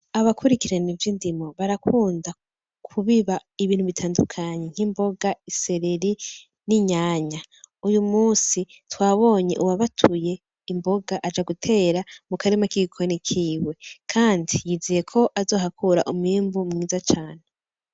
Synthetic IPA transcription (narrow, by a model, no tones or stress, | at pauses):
aβakʰuɾikiɾenivjindimo̞βaɾakuːnda | kʰuβiβaiβiːnhuβitʰaːndukʰaɲe̞ŋ̥himbo̞ɡaise̞ɾeɾi | niɲaːɲaujumuːsi | twaːβo̞ːɲe̞ʔuwaβatʰuje̞ | imbo̞ɡaʔad͡ʒaɡutʰe̞ːɾamukaɾemakiɡikʰo̞nikʰiːwe̞kʰaːndijizije̞kʰo̞ʔazo̞ːɦakuɾaʔumiːmbumŋiːzat͡ʃaːne